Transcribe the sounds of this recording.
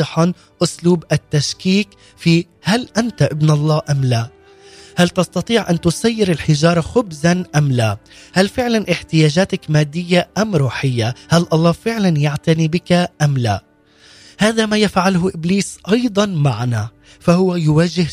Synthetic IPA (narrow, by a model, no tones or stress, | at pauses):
ɨħɑ | ʔʊsluːbʔat̪ːaʃkiːk | fiː | halʔant̪aʔɪbnʔɑlˤːɑːʔamla | halt̪ɑst̪ɑt̪ˤiːʕʔant̪ʊsajːɪɾɪlħɪʒɑːɾˤɑxʊbzanʔamlaː | halfɪʕlanʔɪħt̪ɪjaːd͡ʒaːt̪akmaːd̪ːɪjːaʔamɾuːħɪjːahalʔɑlˤːɑːfɪʕlanjaʕt̪anibɪkaʔamla | haːðamaːjafʕalɦʊʔɪbliːsʔɑjd̪ˤɑnmaʕana | fahʊwajʊwaːʒɪh